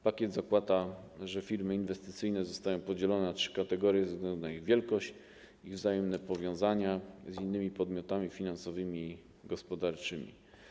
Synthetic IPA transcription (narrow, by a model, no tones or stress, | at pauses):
pakʲɛd̪zakwat̪aʐɛfʲiɾmɘinvɛst̪ɘt̪sɘjnɛzɔst̪ajɔ̃w̃pɔd͡ʑɛlɔnɛnatʂɘ̥kat̪ɛɡɔɾʲjɛzɛzɡlɛnd̪unaiɣvʲjɛlkɔɕt͡ɕ | ivzajɛmnɛpɔvʲjɔ̃w̃zaɲazinːɘmʲipɔd̪mʲjɔt̪amʲifʲinansɔvɘmʲiː | ɡɔspɔd̪aɾt͡ʂɘmʲḭ